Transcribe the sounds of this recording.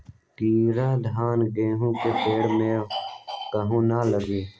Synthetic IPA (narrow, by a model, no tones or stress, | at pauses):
kiːɾãːd̪ʱaːnɡẽːɦũːkepeːɽmẽ | kəɦũːnaːləɡiː